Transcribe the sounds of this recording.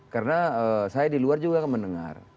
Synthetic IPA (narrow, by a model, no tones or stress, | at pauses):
kaɾənaəsajadiluard͡ʒuɡakanmənəŋa̰r